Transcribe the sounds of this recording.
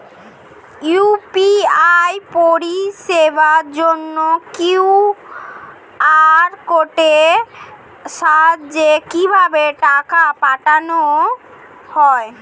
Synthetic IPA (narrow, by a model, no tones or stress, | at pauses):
upiajpoɾiʃebaɾd͡ʑonːokiw | aɾkoʈe | ʃaɦad͡ʑekibʱabeʈakapaʈano | hɔe